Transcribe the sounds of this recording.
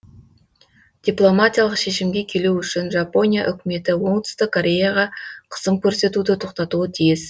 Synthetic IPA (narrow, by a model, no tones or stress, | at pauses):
d̪̥ijplˠo̞mat̪ʲijalˠəqʃe̞ʃɪmɡʲe̞kʲʰe̞luʏʃɪnʒapo̞nʲija̰ʔʏkʲɪme̞t̪ɪwo̞ɴt̪ʰʏ̥st̪ɪkʰːoɾʲe̞jaʁɑqʰə̥səmkʲʰɵɾse̞t̪ud̪ɪt̪ʰo̞qt̪ɑt̪uət̪ʰijɪz